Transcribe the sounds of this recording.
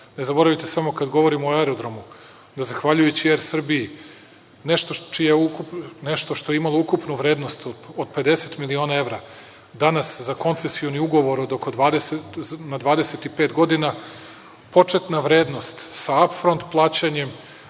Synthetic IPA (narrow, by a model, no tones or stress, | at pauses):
ne̞zabo̞ɾaʋit̪esamo̞kad̪ɡo̞ʋo̞ɾimoaɾo̞d̪ɾo̞mu | d̪azaxʋaʎujet͡ɕijeɾsr̩biji | ne̞ʃt̪ot͡ʃijaukupneʃt̪o̞ʃt̪o̞jeimalˠo̞ukupnuʋɾe̞ːd̪no̞st̪od̪̚pe̞d̪e̞se̞t̪milio̞ːnae̞ʋɾa | d̪anaszako̞nt̪se̞sio̞niuɡo̞ʋo̞ɾod̪okod̪ʋaːd̪esetnad̪ʋaːd̪e̞se̞t̪ipe̞ːt̪ɡo̞d̪ina | po̞t͡ʂet̪naʋɾe̞ːd̪no̞st̪saapfɾo̞nt̪plˠaːt͡ɕaɲe̞m